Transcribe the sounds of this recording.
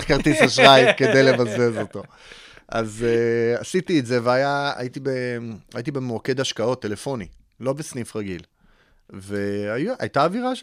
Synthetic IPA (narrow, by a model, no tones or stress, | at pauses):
χkaʁt̪isaʃʁaimke̞d̪ejle̞vazezo̞t̪o̞ | ʔa̰zeasit̪iːtzeveajaa̰jit̪ibeait̪̬ibemoke̞d̪aʃkao̞t̪ːe̞le̞fo̞ni | lo̞besnifʁaɡil | veajʔa̰jt̪aːviʁaʃ